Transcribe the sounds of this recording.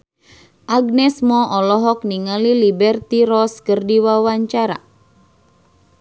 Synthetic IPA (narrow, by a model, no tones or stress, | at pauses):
ʔaɡ̚nɛsmɔʔɔlɔɦɔk̚niŋalilibɛrt̪iɾɔskərdiwawaɲt͡ʃaɾa̰